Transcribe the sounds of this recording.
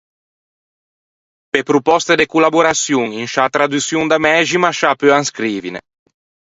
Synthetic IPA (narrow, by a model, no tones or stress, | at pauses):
pepɾupɔst̪ed̪ekulabuɾasjuŋiŋʃat̪ɾad̪usjuŋd̪amɛʒimaʃapøaŋskɾiːvinḛ